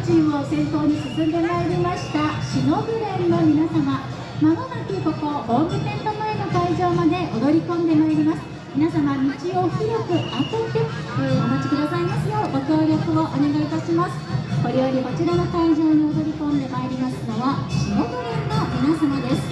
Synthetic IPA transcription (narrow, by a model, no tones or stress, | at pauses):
t͡ɕiosẽ̞ŋpo̞ːɲ̟isɨsɨ̃nd̪e̞maeɾʲimaɕi̥t̪aɕino̞ɡɯ̟ɾeɾɯnomʲinasama | maɡonakʲiko̞kobombɯ̟sẽ̞nt̪omaeno̞kaiʑo̞ːmad̪e̞ʔod̪o̞ɾʲikõ̞nd̪e̞maeɾʲimasɨ̥ | mʲinasamaɲit͡ɕio̞çiɾʲokɯ̟atɯt̪e | t̪oɯmomot͡ɕi̥kʲiɾozaimasɨjoɡo̞kʲo̞ːɾʲo̞kɯ̟o̞ʔone̞ɡait̪aɕimasɨ̥ko̞ɾejo̞ɾʲiɡo̞t͡ɕiɾano̞kaiʑo̞ːɲ̟io̞d̪o̞ɾʲikõ̞nd̪e̞maeɾʲimasɨno̞βaɕino̞ɡɯ̟ɾenomʲinasamad̪e̞sɨ̥